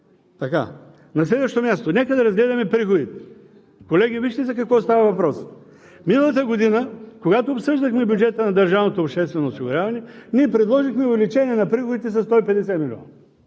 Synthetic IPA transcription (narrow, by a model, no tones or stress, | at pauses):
t̪ɐka̰ | nɐslɛd̪vəʃt̪omʲjast̪onɛkəd̪ɐɾɐzɡlɛd̪ɐmɛpɾixod̪it̪ɛ̥ | kolɛɡ̟ʲiviʃt̪ɛsɛkɐkvɔst̪avɐvɐpɾɔs | minəlˠɐt̪əɡod̪inəkoɡat̪oːpsɤʒd̪əxmɛbʲjud͡ʒɛt̪ənɐd̪ɐɾʒavnot̪oːpʃt̪ɛst̪vɛnoːsiɡʊɾʲjavɐnɛniɛpɾɛd̪lˠɔʒixmɛʊvɛlit͡ʃɛnʲiɛnɐpɾixod̪it̪ɛs̬ɐst̪ɔipɛd̪ɛsɛmilʲɔ̰n